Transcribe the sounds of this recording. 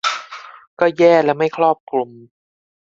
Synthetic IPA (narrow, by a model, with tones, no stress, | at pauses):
kɔː˥˩jɛː˥˩lɛː˦˥ma˥˩jkʰɾɔː˥˩p̚klo˧˩m